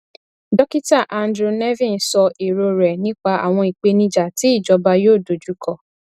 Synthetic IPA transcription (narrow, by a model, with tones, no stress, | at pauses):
dɔ˦ki˦ta˦˨ʔa˨˧ndɾu˧˨nɛ˦vĩ˦˨n˨sɔ˧ʔi˨ɾo˧ɾɛ˨nĩ˦k͡pa˧˦a̰˨w̃ɔ̃˧i˨k͡pe˧nĩ˧d͡ʒa˨ti˨˦i˦˨d͡ʒɔ˨˦ba˧joː˦˨do˨d͡ʒu˨˦kɔ˧